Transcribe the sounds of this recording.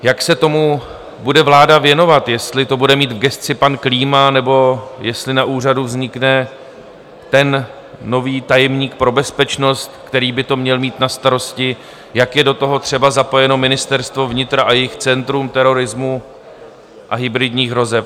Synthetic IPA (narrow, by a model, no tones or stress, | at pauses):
jaksɛt̪o̞mu | budɛvlaːdavjɛno̞vat̪jɛst̪lɪt̪o̞budɛmiːt̪vɡɛst̪t͡sɪpankliːmanɛbo̞jɛst̪lɪnaʔuːr̝aduvzɲɪknɛ | t̪ɛnː | o̞viːt̪ajɛmɲiːk̚pɾo̞bɛspɛt͡ʃno̞st̪̚kt̪ɛɾiːbɪt̪o̞mɲɛlmiːt̪nast̪aɾo̞scɪ | jakjɛdo̞t̪o̞ɦo̞t̪r̝̥ɛbazapo̞jɛno̞mɪnɪst̪ɛɾst̪vo̞vɲɪt̪ɾaʔajɛjɪxt͡sɛnt̪ɾumt̪ɛɾo̞ɾɪzmu | ʔaɦɪbɾɪdɲiːxɦɾo̞zɛf